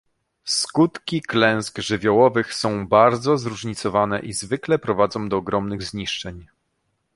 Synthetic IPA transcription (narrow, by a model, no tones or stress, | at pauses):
skut̪kʲiklɛ̃w̃sɡʐɘvʲjɔwɔvɘxsɔ̃w̃baɾd̪zɔzɾuʐɲit̪sɔvanɛʔizvɘklɛpɾɔvad̪zɔ̃w̃d̪ɔːɡɾɔmnɘɣzɲiʂt͡ʂɛɲ